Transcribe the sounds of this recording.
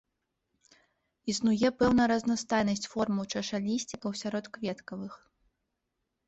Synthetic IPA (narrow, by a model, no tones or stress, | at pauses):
isnujɛpɛwnɐjɾɐznast̪ajnɐsʲt͡sʲfɔrmɐwt͡ʂɐʂalʲisʲt͡sʲikɐwsʲaɾɔt̪kvʲɛt̪kɐvɨx